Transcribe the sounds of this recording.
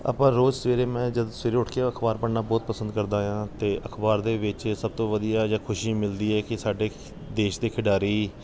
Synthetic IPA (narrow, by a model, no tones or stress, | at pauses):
a̰pãːɾoːd͡ʒsəʋeːɾeːmɛ̃ːd͡ʒəd̪sʋeːɾeːʊʈʰkeːəkʰbaːɾpəɽnaːbɔːt̪̚pəsənd̪kəɾd̪aːjãːt̪eːʔəkʰbaːɾd̪eːʋɪt͡ʃsəb̚t̪õːʋəd̪ijaːd͡ʒaːkʰʊʃiːmɪld̪iːɛːkɪsaːɖeː | d̪eːʃd̪eːkʰɪɖaːɾiː